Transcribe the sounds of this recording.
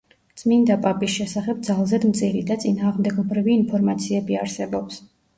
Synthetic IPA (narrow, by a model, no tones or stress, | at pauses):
d̪sʼmind̪apʼapʼisʃɛsaχɛb̚d̪zalˠzɛd̪mt̪sʰʼiɾid̪at̪sʼinaːʁmd̪ɛɡɔbɾiviːnpʰɔɾmat̪sʰiɛbiaɾsɛbɔps